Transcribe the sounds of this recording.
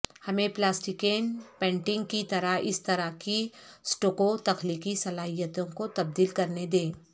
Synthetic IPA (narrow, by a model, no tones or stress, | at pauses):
hɐmẽplaːsʈɪkeːnpɛ̃ːɳʈɪ̃ŋɡkit̪ɐɾaɦɪ̰st̪ɐɾakisʈoːkot̪ɐxliːkisɐlaːɦijət̪õkot̪ɐb̚d̪iːlkɐɾned̪ẽː